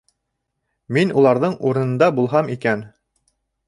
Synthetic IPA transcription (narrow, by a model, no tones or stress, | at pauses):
minulˠɑɾðɤɴuɾɤ̆nɤ̆nd̪ɑbulˠɦɑmikæn